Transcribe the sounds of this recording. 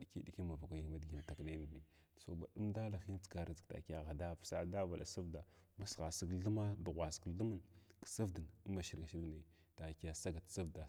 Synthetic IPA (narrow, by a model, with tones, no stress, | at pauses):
ɗi˨ki˦di˨ki˦ma˨va˨kʷa˨ja˦dɡi˨n˨ta˨kne˦ni˨mi˨ | so˨ba̰˨ɗu˦mda˦la˨xi˦n˦t͡sɡa˨ɾa˨zta̰˨ki˦a˦˨ɣa˨da˦psa˦da˦va˨la̰˨sa˦vda˨ma˦sɣa˨si˦kɮə˦ma˦du˨ɣʷa˨si̥˨klu˦ma˦nksa˦vdə˨n˦ma˨ʃi˦ɾɡa˨ʃi˦ɾne˨ | ta˨ki˦ja˨sa˦ɡa˨tsa˦vda˨